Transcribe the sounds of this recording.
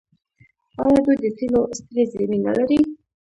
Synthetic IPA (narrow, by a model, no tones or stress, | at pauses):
ɑjɑd̪ujd̪ət̪ilost̪ɾezamina̰laɾi